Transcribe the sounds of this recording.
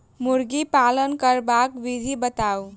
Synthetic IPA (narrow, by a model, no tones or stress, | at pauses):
muɾɡipalənkəɾbakʋid̪ʱibət̪au